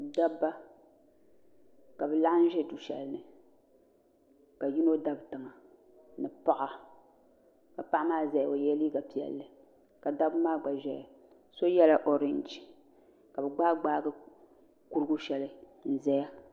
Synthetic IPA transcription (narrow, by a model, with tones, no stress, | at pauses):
da˦bːa˦ | ka˨bɛ˨la˦n̩˦ʒɛ˦du˨ʃɛ̰˨lnɨ˨ | ka˨ji˦no˦da˦btɨ˨ŋa˨ | nɨ˨pa˦ʔa˨ | ka˨pa˦ʔa˦maː˦zɛ˨jo˨jɛ˦li˦ɡa˨pi˨ɛ̰˨lːɨ˨ | ka˨da˦bmaː˦ɡ͡ba˨ʒɛ˨ja˨ | so˦jɛ˦la˦ʔo˨ɾɪ˦˨nd͡ʒ | ka˨bɨ˨ɡ͡baː˦ɡ͡baː˦ɡɨ˦ | ku˦ɾɨ˦ɡu˦ʃɛ˨lɨ˨ | n̩˨zɛ˦ja˦